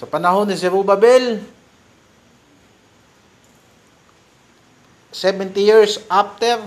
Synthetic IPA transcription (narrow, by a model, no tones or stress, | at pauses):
sɐpɐnɐɦonɪsɛɾubabɛl | sɛbɛnt̪ijiɹsʔaf̚t̪ɛɾ